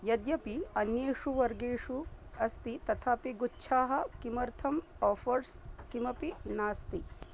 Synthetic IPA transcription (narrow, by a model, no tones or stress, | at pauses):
jɐd̪jɐpiɐnjeːʂuʋɐɾɡeːʂuɐst̪it̪ɐt̪ʰaːpiɡutːʃʰaːɦɐ̆kimɐɾt̪ʰɐm | ɔːfɐɾskimɐpinaːst̪i